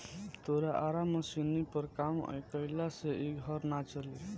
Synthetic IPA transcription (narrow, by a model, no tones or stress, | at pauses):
t̪oɾaʔaɾamʌsinipʌɾkamʌ̰jkʌjlaseʔiɡʱʌɾnat͡ʃʌli